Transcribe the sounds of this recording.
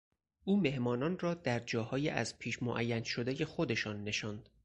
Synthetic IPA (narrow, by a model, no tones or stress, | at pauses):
ʔuːme̞hmɒːnɒːnrɒːd̪æɾd͡ʒɒːhɒːjiʔæ̰zpʰiːʃmoʔæjːænʃod̪eje̞xod̪e̞ʃɒːnːe̞ʃɒːnd̪̥